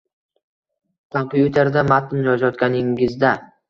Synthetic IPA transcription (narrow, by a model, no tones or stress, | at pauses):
t̪ʰaŋkjut̪ʰeɾd̪amat̪ʰːɪmjɒd͡ʒɒt̪kʲanɪŋɪzd̪a